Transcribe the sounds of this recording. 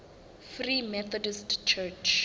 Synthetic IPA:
frimɛθɔdistt͡ʃʰɛt͡ʃ

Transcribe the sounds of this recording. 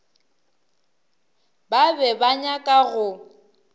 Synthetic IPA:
babɛbaɲakʼaɣʊ

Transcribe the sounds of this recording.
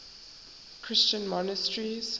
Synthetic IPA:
kʰɹ̥ɪst͡ʃə̃nmɔnəstɹiz̥

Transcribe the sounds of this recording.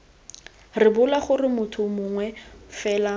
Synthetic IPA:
rɪbʊlaχʊrɪmʊtʰʊmʊŋwɛfɛːla

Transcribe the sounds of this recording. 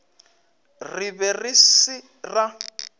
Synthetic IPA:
riβɛrisi | ra

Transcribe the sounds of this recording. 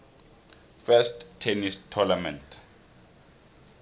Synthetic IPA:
fɛsttʰːɛnistʰɔnamɛ̃nt

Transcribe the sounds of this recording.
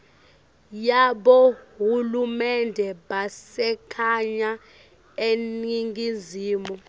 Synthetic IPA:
jaɓohulumɛndʱɛɓasɛkʰaɲa | eniŋɡʱizʱiːmɔ

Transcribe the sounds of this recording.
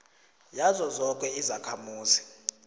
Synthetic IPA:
jazɔzɔk̬ʼɛizakʰamuːzi

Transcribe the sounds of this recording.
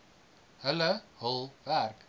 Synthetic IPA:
hələhəlˠværk

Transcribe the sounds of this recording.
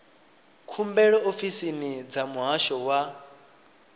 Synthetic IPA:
kʰumbɛɺɔofisinid͡zamuɦaʃɔwa

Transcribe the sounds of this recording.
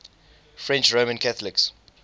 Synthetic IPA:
fɹɛ̃nt͡ʃɹomə̃nkʰaθəlɪks

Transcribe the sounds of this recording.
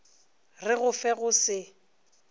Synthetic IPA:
rɪɣʊfɛɣʊsɪ

